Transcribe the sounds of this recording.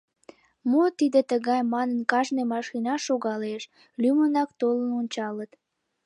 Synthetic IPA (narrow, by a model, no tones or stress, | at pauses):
mot̪id̪et̪əɣɑjmɑnənkɑʒnemɑʃinɑʃoɣɑleʃ | lymənɑkt̪olənonʲt͡ɕɑlət̪